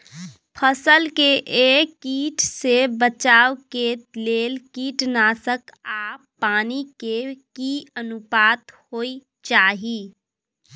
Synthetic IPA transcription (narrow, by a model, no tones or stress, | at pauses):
pʰəsəlkeʔːkiːʈsebət͡ʃaːwkeleːlkiːʈnaːsəkaːpːaːnikekiənʊpaːt̪hoːi | t͡ʃaːɦiː